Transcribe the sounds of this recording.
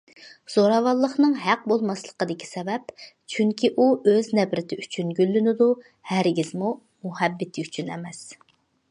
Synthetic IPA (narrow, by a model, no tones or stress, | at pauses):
z̥oɾɑvɑlˠːəχnɨŋɦæq̚bolˠmɑslˠə̥qəd̪ɪkʲi̥sɛbɛpt͡ʃʰyŋkʲiʔuøznɛbɾɪt̪ʰɪyt͡ʃʰynɡʲylːynɪd̪u | hæɾɡʲizmu | muhɛbːɪt̪ʰɪyt͡ʃʰynɛmɛs